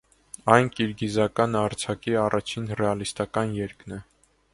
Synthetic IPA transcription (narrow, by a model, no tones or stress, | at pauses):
ɑjnkiɾɡizɑkɑnɑɾt͡sʰɑkiɑrʔɑt͡ʃʰinrɛɑlist̪ɑkɑnjɛɾknɛ